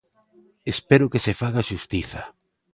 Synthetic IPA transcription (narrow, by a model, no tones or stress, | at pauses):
espeɾʊkesefaɣaʃust̪iθa